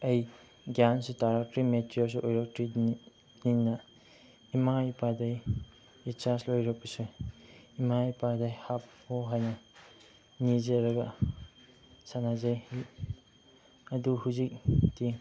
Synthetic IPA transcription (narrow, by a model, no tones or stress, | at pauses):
ɐj | ɡjansutaɾak̚tɾimetɾiɔls̬uʔojɾɔk̚tɾi | ninːɐ | imajpadaj | it͡ʃaslojɾɔk̚pɐsu | imaipadajhap̚hoɦajnɐ | nizeɾɐɡɐ | sanazaj | ɐduhuzik̚tiŋ